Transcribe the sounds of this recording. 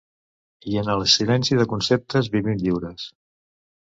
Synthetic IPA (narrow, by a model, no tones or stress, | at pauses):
iənələsilɛnsiðəkunsep̚t̪əzβiβinʎiwɾəs